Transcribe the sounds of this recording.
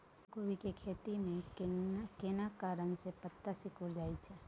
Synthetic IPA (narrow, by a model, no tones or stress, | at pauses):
ɡoʋikekʰeːt̪imẽ | kenakaːɾənsepət̪ːasikʊɾd͡ʒaːit͡ʃʰɛː